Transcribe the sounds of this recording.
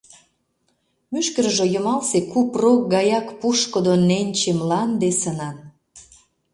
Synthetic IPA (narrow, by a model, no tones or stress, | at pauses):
myʃkəɾʒojə̆mɑlsekuprok̚ɡɑjɑkpuʃkod̪onenʲt͡ɕemlɑnd̪esənɑn